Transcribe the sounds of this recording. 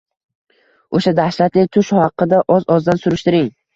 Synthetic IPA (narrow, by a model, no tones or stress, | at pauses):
oʃad̪ahʃlat̪lɪt̪ʰʊʃhɑqːɨd̪aʔɒzɒzd̪ansʊɾɪʃt̪ɪɾɪŋ